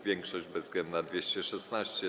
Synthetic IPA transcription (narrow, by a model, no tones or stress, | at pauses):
vʲjɛŋkʂɔʑd͡ʑbɛzɡɛnd̪nad̪vʲjeɕt͡ɕɛʂɛsnaɕt͡ɕɛ